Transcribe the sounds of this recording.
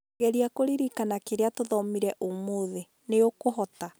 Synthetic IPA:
ɛɾiakoɾiɾikanakeɾeatoðɔmiɾɛʔomoðe | neokoɦɔta

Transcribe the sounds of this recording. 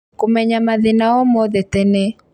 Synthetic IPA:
komɛɲamaðɪnaɔmɔðɛt̪ɛnɛ

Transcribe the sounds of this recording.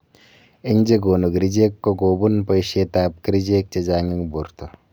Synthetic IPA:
eɲd͡ʒeɡoːnuɡɾid͡ʒekːoɡoːbunpɐjʃet̪aːp̚kiɾid͡ʒeːk̚t͡ʃed͡ʒaːŋiŋbuɾt̪o

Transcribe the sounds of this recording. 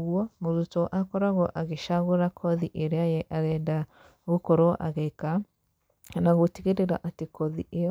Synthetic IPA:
ɣuɔmoðutɔʔakɔɾaɣɔʔaɣeʃaɣoɾakʰɔðiʔeɾeajɛʔaɾɛnda | ɣokoɾoʔa̰ɣeka | naɣoteɣeɾeɾaʔatekɔðiʔejɔ

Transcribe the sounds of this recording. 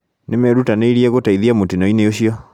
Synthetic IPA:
nemɛɾutaneiɾiɛɣotaiðiamotinɔineoɕiɔ

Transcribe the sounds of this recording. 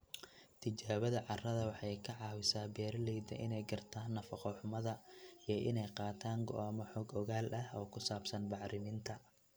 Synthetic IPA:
t̪ʰɪt͡ʃaːβɐðɐʕɑrɐðɐwɑħɑjkʰɐʕɑːwɪsaːbɛːɾlɛjd̪ɐ̰ʔɪnɛjɡɐrt̪ʰaːnːɐfɐqɔħʊmɐðɐijɔʔɪnɛjqɑːt̪ʰaːŋɡɔ̰ʔaːmɔħɔɡɔɣaːlʔɐhɔːkʰʊsaːbsɐnbɑʕɾɪnint̪ʰɐ

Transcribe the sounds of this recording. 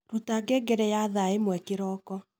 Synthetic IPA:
ɾutaɡeɡɛɾɛjaðaemwɛkeɾɔːkɔ

